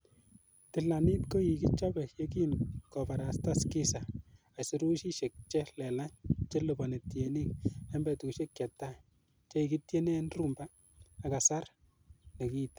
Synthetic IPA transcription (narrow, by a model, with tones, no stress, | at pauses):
tɪ˨la˨ni˦tko˦ji˨ki˦t͡ʃa˦bɛ˨je˦ki˦nkɔ˨pa˨ɾa˨sta˦skɪ˦sa˨ | a˨sɪ˦ɾu˦ʃi˦ʃe˨k̚t͡ʃɛ˦lɛ˨la˦ɲt͡ʃe˦lobɔ˨ne˨tje˨ni˦k̚ɛ˦mbɛ˨tu˨ku˨ʃe˦kjɛ˨tːa˦ | t͡ʃe˦i˨ki˦tje˦ne˦nru˦mbaː˦˨ | ka˨sa˦r | ne˨ki˦t